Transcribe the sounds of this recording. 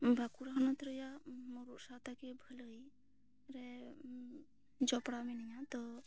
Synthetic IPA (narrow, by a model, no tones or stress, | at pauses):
bʱakuɾaɦɔnɔt̪ɾəjamɔɾuʔsat̪akɛbʱələj | ɾɛ | d͡ʒɔpɽamɛnɛjat̪ɔ